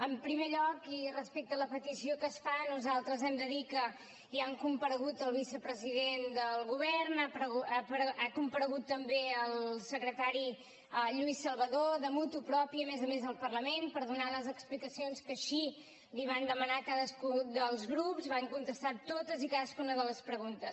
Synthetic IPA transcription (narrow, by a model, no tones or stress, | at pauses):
əmpɾimeʎɔkirəspek̚t̪ələpət̪isiokəsfanuzalˠt̪ɾəzɛmd̪əðikə | liaŋkumpəɾəɣut̪əlˠβisəpɾəziðend̪əlˠɣuβɛrnapɾəɣpɾakumpəɾəɣut̪ːəmbeəlˠsəkɾət̪aɾi | ʎuisəlˠβəðoðəmut̪upɾɔpiəmezəmezəlˠpərləmenpəɾðunaləzəksplikəsionskəʃi | liβ̞and̪əmənakaðəskud̪əlˠzɣɾupzβaŋkunt̪əst̪at̪ːot̪əzikaðəskunəðələspɾəɣunt̪əs